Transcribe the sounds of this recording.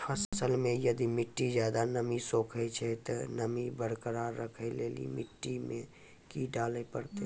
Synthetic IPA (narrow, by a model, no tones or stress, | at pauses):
pʰəssəlmẽjəd̪imɪʈːid͡ʒjaːd̪anəmisoːkʰət͡ʃʰɛt̪ɔnəmibəɽkəɾaːɾːəkʰəleːlḭmɪʈːimẽ | kiɖaːlepəɾt̪e